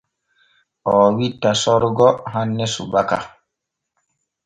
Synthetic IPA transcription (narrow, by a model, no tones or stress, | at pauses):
ʔɔːwitːasɔɾɡɔɦanːɛsṵbaka̰